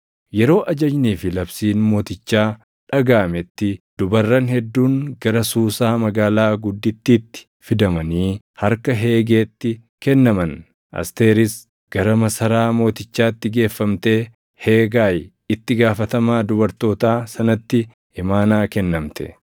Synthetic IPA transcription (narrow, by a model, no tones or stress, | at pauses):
jɛɾo̞ːʔɐd͡ʒɐd͡ʒniːfɪlɐbsiːnmo̞ːt̪ɪt͡ʃːaː | ᶑɐɡaːmɛt̪ːɪd̪̥ʊbɐrːɐnhɛd̪ːuːŋɡɐɾɐsuːsaːmɐɡaːlaːɡʊd̪ːɪt̪ːit̪ːɪ̥ | fɪd̪ɐmɐniː | hɐɾkɐɦe̞ːɡe̞ːt̪ːɪ | kɛnːɐmɐn | ʔɐ̰st̪e̞ːɾɪs | ɡ̥ɐɾɐmɐsɐɾaːmo̞ːt̪ɪt͡ʃːaːɪt̪ːɪɡe̞ːfːɐmt̪e̞ː | heːɡaːj | ɪt̪ːɪɡaːfɐt̪ɐmaːd̪ʊbɐɾt̪o̞ːt̪aːsɐnɐt̪ːɪ | ɪmaːnaːkɛnːɐmt̪ɛ̥̰